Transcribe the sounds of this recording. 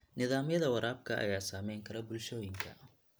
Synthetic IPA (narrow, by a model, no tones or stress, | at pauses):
nɪðaːmjɐðɐwɐɾaːb̚kʰɐʔɐ̰jaːsaːmɛjŋkʰɐɾɐbʊlʃɔːjɪŋkʰɐ̰